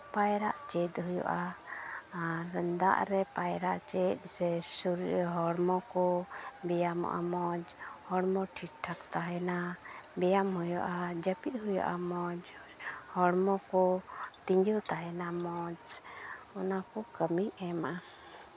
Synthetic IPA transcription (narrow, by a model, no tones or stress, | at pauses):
pajɾaʔt͡ʃɛt̪̚ɦujɔ̰ʔa | ɾənd̪a̰ʔɾɛpajɾa̰ʔt͡ʃɛt̪̚ˀsɛsuɾɦɔɽmɔkɔ | bɛjamɔ̰ʔa̰mɔd͡ʒ | hɔɽmɔʈʰiʈʈʰakt̪aɦɛnabɛjamɦujɔ̰ʔad͡ʒəpit̪̚ˀɦujɔ̰ʔamɔd͡ʒ | hɔɽmɔkɔt̪iɲd͡ʒult̪aɦɛnamɔd͡ʒ | ɔnakɔkəmiɛmaʔa